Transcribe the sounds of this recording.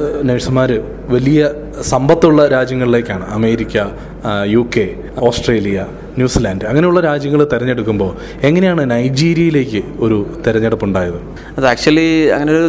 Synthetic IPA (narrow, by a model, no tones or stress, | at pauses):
nɐɻsɐmaːɾɨ | ʋɐlijɐ | sɐmbɐt̪ːuɭːɐɾaːd͡ʑjɐŋːɐɭile̞ːkʲːaːɳɨ̰ɐme̞ːɾikʲːɐ | juːkːe̞ | o̞ːsʈreːlijɐ | njuːsilaːndɨɐŋːɐne̞juɭːɐɾaːd͡ʑjɐŋːɐɭt̪iɾɐɲːe̞ɽukːumbo̞ː | e̞ŋːɐnejaːɳɨnɐjd͡ʑiːɾijɐjile̞ːkʲːɨo̞ɾut̪iɾɐɲːeɽɐpːuɳɖaːjɐðɨ | ɐðaːk̚t͡ɕuɐlːiɐ̰ŋːɐneo